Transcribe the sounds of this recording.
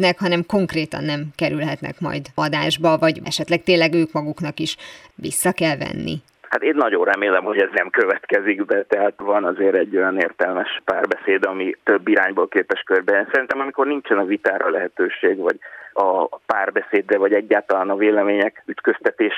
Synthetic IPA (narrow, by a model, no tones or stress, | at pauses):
nɛkhɒnɛmko̞ŋkreːt̪ɒ̰nːɛmkɛɾylɦɛt̪nɛ̰kmɒ̰jd̪ɒd̪aːʒbɒvɒɟɛʃɛt̪lɛk̚t̪eːnlɛɡøːkmɒɡuknɒkiʃʋḭsːɒkɛlvɛ̰nːḭ | hat̪eːnːɒɟonrɛmeːlɛmho̞ɟɛznɛmkøvɛt̪kɛziɡbɛt̪ɛɦat̪vɒnɒzeːɾɛɟːo̞jɒnḛːrt̪ɛlmɛʃpaːrbɛseːd̪ɒmit̪øbːiɾaːɲboːlkeːpɛʃkørbɛsɛɾint̪ɛmɒmiko̞rnint͡ʃɛnɒvit̪aːɾɒlɛɦɛt̪øːʃeːɡvɒɟɒpaːrbɛseːd̪rɛvɒɟɛɟːaːlt̪ɒlaːnɒveːlɛmeːɲɛkyt̪køst̪ɛt̪eːʃ